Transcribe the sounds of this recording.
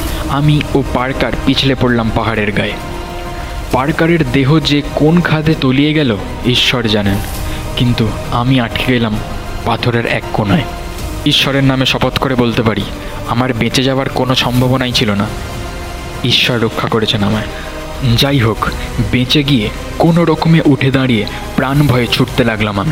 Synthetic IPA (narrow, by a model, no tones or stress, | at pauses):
amiopaɾkaɾpit͡ɕʰilepoɽlampaɦaɾeɾɡae | paɾkaɾeɾd̪eɦod͡ʑekonkʰad̪et̪olijeɡɛlo | iʃːɔɾd͡ʑanen | kint̪u | amiaʈʰkʰeɡelam | pat̪ʰoɾeɾɛ̰kːonae | iʃːɔɾeɾnameʃɔpot̪koɾebolt̪epaɾi | amaɾbẽt͡ɕed͡ʑaoaɾkonoʃɔmbʱabonajt͡ɕʰilona | iʃːɔɾɾokʰːakoɾet͡ɕʰenama | d͡ʑajɦokbẽt͡ɕeɡie | konoɾɔkomeʔuʈʰed̪aɽije | pɾanbʱɔet͡ɕʰuʈt̪elaɡlamami